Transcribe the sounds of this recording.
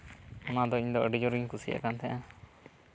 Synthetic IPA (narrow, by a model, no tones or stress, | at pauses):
ɔnad̪ɔiɲd̪ɔʔəɖid͡ʒɔɾiɲkusia̰kant̪ɛʔã